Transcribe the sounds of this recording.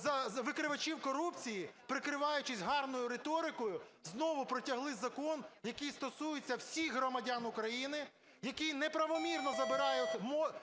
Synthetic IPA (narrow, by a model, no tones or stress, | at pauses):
zɐʋɪkɾɪʋɐt͡ʃiwkɔɾupt͡sʲijipɾɪkɾɪʋɑjʊt͡ʃɪzʲɦɑrnɔjʊɾet̪ɔɾɪkɔjʊznɔʋʊpɾɔtʲɐɦlˠɪzɐkɔnjɐkijst̪ɔsujet͡sʲːɐwsʲixɦɾɔmɐdʲanʊkɾɐjinɪ | jɐkijnɛpɾɐʋɔmʲirnɔzɐbɪɾɑjʊtʲmɔ